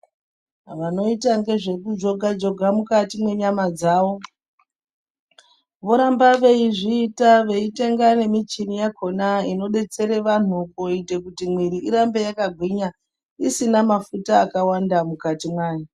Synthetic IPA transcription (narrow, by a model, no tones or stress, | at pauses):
ʋano̞itaŋɡe̞ʐe̞kud͡ʒo̞ɡʱad͡ʒo̞ɡʱamukatimwe̞ɲamad͡zaːʋo̞ | ʋo̞ɾambaʋe̞iʐiːtaʋe̞ite̞ŋɡane̞mit͡ʃinijakʰo̞naino̞ɗe̞t͡se̞ɾe̞ʋan̤ukoite̞kutimwiɾiiɾambe̞jakaɡʱwiɲa | isinamafutaːkawandamukatimwaːji